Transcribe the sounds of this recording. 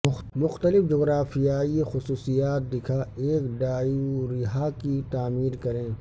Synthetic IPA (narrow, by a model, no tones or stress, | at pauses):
mʊxt̪əlɪfd͡ʒoːɣɾaːfijaːixʊsuːsijaːt̪̚d̪ɪkʰaeːkɖaːuɾɪɦakit̪aːmiːɾkɐɾẽː